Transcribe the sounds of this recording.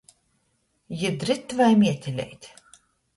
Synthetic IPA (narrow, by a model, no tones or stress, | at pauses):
jɨd̪ɾɨt̪ːvajmʲiɛt̪ʲelʲɛ̰jt̪ʲ